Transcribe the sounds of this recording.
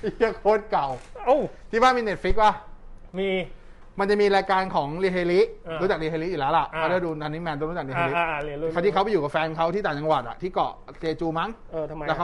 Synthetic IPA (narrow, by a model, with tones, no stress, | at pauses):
ja˦˧˩kʰoː˧˥˩t̪̚ka˨˩wo˧˩t̪ʰiː˥˩faː˥˩miː˧ne˨˩t̪̚fi˦˥k̚waː˥˩miː˧ | ma˧nt͡ɕa˨˩miː˧ɾaː˧jkaː˧nkʰɔː˩˦ŋliː˧hʰeː˧li˦˥˧ɾu˦˥t͡ɕa˨˩k̚li˧˩eː˧li˦˥ʔiː˨˩lɛː˦˥wla˨˩ʔkʰa˥˩daː˥˩duː˧naː˧ni˦˥mɛː˧nd̪a˥˩ɾu˦˥t͡ɕa˨˩i˧˩˧li˨˦˧t̪i˥˩kʰwba˧˩juː˨˩a˨˩fɛː˧nkʰa˦˥wt̪ʰiː˥˩aː˨˩t͡ɕa˧ŋwaː˨˩t̪̚ʔa̰˨˩t̪ʰiː˥˩kɔ̰˨˩ | t͡ɕeː˧t͡ɕuː˧ma˦˥ŋʔɤː˧t̪ʰmː˧t̪ɛː˨˩ka˦˥